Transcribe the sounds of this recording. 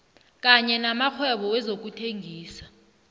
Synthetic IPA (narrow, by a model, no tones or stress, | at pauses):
k̬aɲɛnamaxʰwɛɓɔwɛzok̬utʰeŋʱiːsḁ